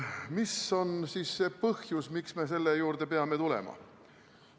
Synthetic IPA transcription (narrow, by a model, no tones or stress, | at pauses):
miso̞nsiːsːe̞pɤhjusmiksme̞s̬e̞lːejuːɾd̪̥e̞pe̞ɑme̞t̪ulḛmɑ̰